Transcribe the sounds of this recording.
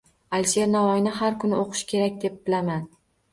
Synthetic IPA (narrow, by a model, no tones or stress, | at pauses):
alʲʃeɾnavɒjnɪɦaɾkʰʊnɪoqʰɨ̥ʃkʲʰe̞ɾakʲd̪e̞p̚bɪlaman